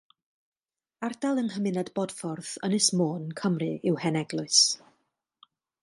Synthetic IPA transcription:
ardalˠənɦəmɪnadbɔd̥fɔrðənɪsmoːnkʰəmrɨɪwhɛnɛɡlˠʊɨs

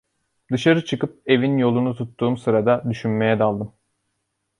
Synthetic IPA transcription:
d̪ɯʃaɾɯt͡ʃʰɯkɯp̚e̞vinjo̞lˠunut̪ʰut̪ːuːmsɯɾad̪ad̪yʃynme̞jɛd̪alˠd̪ɯm

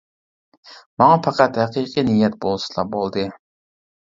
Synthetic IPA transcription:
mɑŋɑpʰɑqæt̪hæqʰiqʰinijɛt̪̚bolˠsɨ̥lˠɑq̚bolˠd̪ɨ

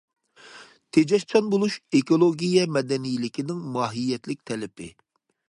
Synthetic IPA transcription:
t̪ʰed͡ʒɛʃt͡ʃʰɑnbolˠuʃekolˠoɡʲijɛmɛd̪ɛnijlɪkʲinɪŋmɑːɦijːɛt̪lɪk̚ʲt̪ʰɛlɪpʰɪ̰

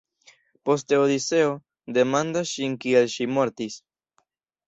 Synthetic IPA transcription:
po̞steodit͡se̞o̞ | de̞mandasʃinkielʃimo̞ɾtis

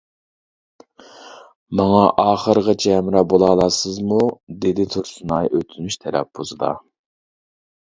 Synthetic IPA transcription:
mɑŋɑʔɑːχəɾəʁɑt͡ʃʰɛːmɾɑbolˠɑːlˠɑsɨzmud̪ed̪ɪt̪ʰoɾsunɑjʔøt̪ʰyzmyʃt̪ʰɛɾɛ̰p̚bozɨd̪ɑ̰

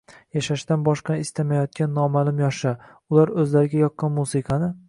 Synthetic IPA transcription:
jaʃaʃt̪anbɒʃqɑnɪst̪amajɒt̪̚kʲʰanːɒmalʊmjɒʃa | ʊlaɾɵzlaɾɪɡʲajɒqːɑnmusɪqʰɑnɪ

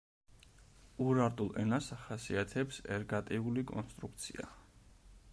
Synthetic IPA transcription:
uɾaɾt̪ʼulˠɛ̰nasaχasiat̪ʰɛpsɛ̰ɾɡat̪ʼiulikʼɔnst̪ʼɾuk̚ʰt̪sʰḭa̰

